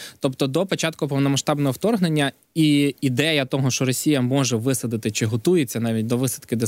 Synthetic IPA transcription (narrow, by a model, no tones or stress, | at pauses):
t̪ɔpt̪ɔd̪ɔpɔt͡ʃɑt̪kʊpɔwnɔmɐʃt̪ɑbnɔɦɔwt̪ɔrɦne̞nʲːɐ | iid̪ɛjɐt̪ɔɦɔʃt͡ʃɔɾɔsʲijɐmɔʒɛʋɪsɐd̪ɪt̪ɪt͡ʃɪɦɔt̪ujet͡sʲːɐnɑʋʲitʲd̪ɔʋɪsɐt̪kɪd̪e